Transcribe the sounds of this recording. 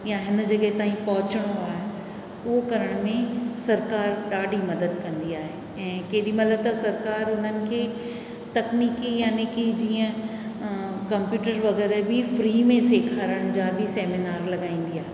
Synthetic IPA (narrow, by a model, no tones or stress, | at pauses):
jaɦɪn̆d͡ʑɐɠəɦet̪aːĩpɐɦʊt͡ɕəɽ̃oaːɦe | ʊɦokɐɾəɽ̃mẽsɐɾkaːɾɗaːɖʱimɐd̪əd̪kɐ̃nd̪iaːɦe | ɛ̃ːkeːɗimɐt̪ləb̚t̪ɐsɐɾkaːɾʊn̤ənɪ̆kʰeː | t̪ɐkniːkijanekid͡ʑiːə̃ | kɐmpjuːʈəɾʋɐɣɛːɾbɪfɾiːmẽseːkʰaːɾəɽ̃d͡ʑaːbɪseːminaːɾlɐɠaːĩːn̆d̪iaːɦe